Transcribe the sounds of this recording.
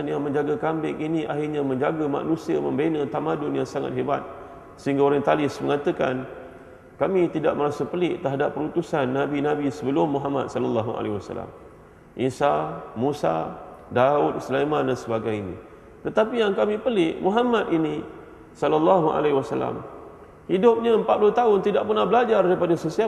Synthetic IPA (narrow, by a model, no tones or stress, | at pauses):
njaŋmə̃ɲd͡ʒaɡakambɪkiniʔaɦirɲamə̃ɲd͡ʒaɡəma̰ʔnũsiəmə̰mbenət̪amadʊnjaŋsaŋa̰t̪̚ɦeba̰t̪̚ | səɦiŋɡaoɾaŋt̪alɪsməŋat̪əkan | kamĩt̪idaʔ̚məɾasəpəlɪʔt̪əɦadapːəɾut̪usanːabinãbisəbəlʊmːuɦama̰t̪̚sɔlalːaɦuʔa̰lewasa̰la̰m | ʔisamusa̰daʊt̪̚səlamadansəbaɡajinḭ | t̪ət̪apijaŋkamĩpəlɪʔmuɦamat̪ini | sɔlalːaɦua̰lawasala̰m | hidʊp̚ɲaəmpat̪̚pulʊht̪aʊnt̪idaʔpərnahbəlad͡ʒardaipadasəsia